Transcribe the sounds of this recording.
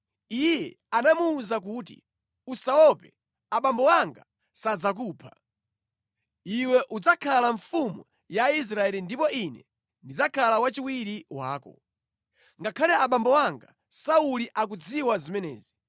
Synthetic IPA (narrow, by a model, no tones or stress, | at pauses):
ijɛ | anamuːzak̬uːt̬ḭ | usaɔpɛ | aɓambɔwaŋɡa | sad͡zak̬uːpʰa | iwɛʔud͡zakʰalaɱfumṵ | jais̬ɾaɛlindipɔinɛ̰ | ndid͡zakʰalawat͡ʃiwiɾiwa̰ːkɔ̰ | ŋɡakʰalɛaɓambɔwaŋɡa | sauliʔak̬ud͡ziwazimɛnɛ̰ːzi